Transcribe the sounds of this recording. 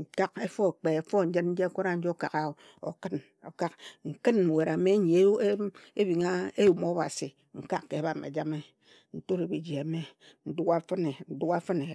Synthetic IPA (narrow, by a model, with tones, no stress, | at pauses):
ŋ̩˨ka˦ke˦fo˦˨k͡pe˨e˨fo˦˨˦d͡ʒɨ˦nn̩˦d͡ʒe˦kʷo˦ɾa˦n̩˦d͡ʒo˦ka̰˨ka˦o˨ | o̰˨kɨ˦n | o˨ka˦kŋ̩˨kɨ˦n̩˨we˨ɾa˨me˦ɲ˨e˨˦e˦bi˨ŋa˦e˦ju˨mo˦ba̰˨si˨ | ŋ̩˨ka˦kːe˨˦ba˨mḛ˨d͡ʒa˦me˦ | n̩˦to˦ɾe˨bi˨d͡ʒi˨a˨me˦ | n̩˦du˦a˦fɨ˦ne˨n̩˨du˦ka˦fɨ˦ne˨